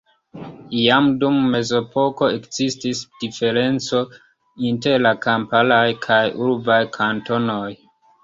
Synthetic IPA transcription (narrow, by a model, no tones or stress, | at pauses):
jamdumːe̞zo̞pʰo̞ko̞ekzistisdife̞ɾe̞nt͡so̞ | inte̞ɾlakampalajkʰajuɾbajkʰanto̞no̞j